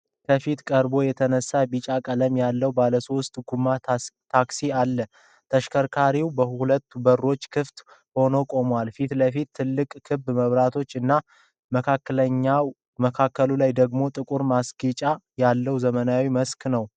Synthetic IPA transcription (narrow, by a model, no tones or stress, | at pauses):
kʰəfit̪kʼəɾbo̞jɛt̪ʰənəsːabit͡ʃʼakʼələmjalːəwbaləsost̪ʼɡumːat̪ʰaksialːə | t̪ʰəʃkʰəɾkʰaɾiwbəhhulət̪ːubəɾːo̞t͡ʃːkʰɨft̪ | ho̞no̞kʼo̞mwalfit̪ləfit̪ʰːɨlːɨkʼkːʰɨbməβɾat̪ʰo̞t͡ʃːɨnːa | məkʰakːələɲːaw | məkʰakːəlulajd̪əɡmo̞t̪ʼɨkʼuɾmasɡit͡ʃʼajalːəwzəmənawiməsknəw